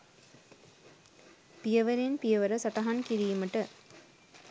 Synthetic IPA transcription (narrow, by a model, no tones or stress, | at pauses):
pɪjɐʋɐɾenpɪjɐʋɐɾɐsɐʈːɐɦankiɾɪjimɐʈːɐ